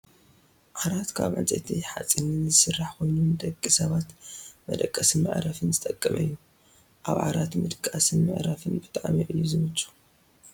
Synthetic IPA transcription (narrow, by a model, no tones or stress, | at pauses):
ʕaɾat̪kʰa̰βʕa̰nt͡sʼḛt̪ʰiħa̰t͡sʼːinɨnzɨsɨrːaħko̞jnund̪ɐkʼːisɐβat̪mɐ̰d̪ɐkʼːɐsɨnmɨ̰ʕɾɐfɨnzɨt̪ʼɐkʼːɐmʔɐjːu | ʔa̰βʕa̰ɾat̪mɨd̪kʼasɨnmɨʕɾɐfɨnbɨt̪ʼaʕamiʔɨjːuzɨmɐt͡ʃʼu̥